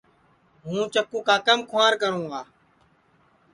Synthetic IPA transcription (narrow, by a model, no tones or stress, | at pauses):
ɦũːt͡ʃəkũːkaːkəmkʰʊãːɾkəɾũːaː